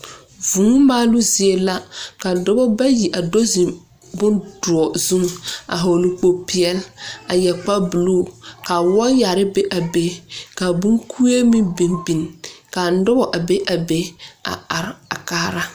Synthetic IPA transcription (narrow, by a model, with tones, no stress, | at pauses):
vuː˨ŋu˦maː˦lʊ˦zi˨e˨la˦ka˨dʊ˦bɔ˦ba˦ji˨ʔa˨do˦zi˨m | bʊ˦nd̥ʊ˨ɔ˨zu˦ŋa̰˨ɦo˨lu˨k͡po˨pi˨ɛ˦la˨jɛ˨k͡pa˦bu˨luː˦˨ka˨wɔ˦ja˨ɾɪ˦be˦ʔa˨be˦ka˨bʊ˦ŋkʰu˦e˦mi˦bi˨nbi˨nka˨n˦dʊ˦bɔ˨ʔa˨be˦ʔa˨be˨a̰˨a˨ɾɪ˨˦a˨kaː˦ɾa˦